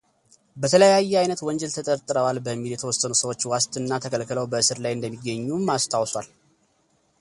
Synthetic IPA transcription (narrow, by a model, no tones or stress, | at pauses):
bət̪ʰələjajːɛajnət̪wɔnd͡ʒɛlt̪ʰət̪ʼəɾt̪ʼɨɾəwalbəmːiljɛt̪ʰəwɔsːənusəwo̞t͡ʃːwast̪ʼɨnːat̪ʰəkʰəlkʰːləwbəɨsɨɾlajɨnd̪əmːiɡːəɲːumːast̪ʰawswal